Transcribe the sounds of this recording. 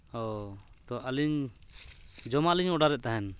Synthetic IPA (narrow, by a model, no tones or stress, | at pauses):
ɔ | t̪ɔʔəliɲ | d͡ʒɔmaliɲɔɖaɾɛʔ̚t̪aɦɛn